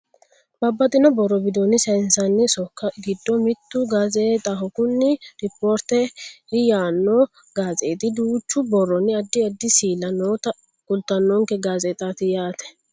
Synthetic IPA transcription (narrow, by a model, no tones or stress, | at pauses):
bɐbːɐt̪ʼɪnɔbɔrːɔbɪd̪onɪsɐnsɐnːɪsɔkːɐɡɪd̪ːɔmɪt̪ːʊɡazeːt̪ʼɐɦɔkʊnːɪɾɪpːoːɾt̪ɛɪjaːnːɔ | ɡ̥aːzeːt̪ɪd̪uːt͡ʃːʊbɔrːɔnːɪɐd̪ːɪɐd̪ːɪsiːlɐnoːt̪ɐ | kʊlt̪ːɐnːɔŋkɛɡaːzeːt̪ʼaːt̪ɪjaːt̪ɛ̥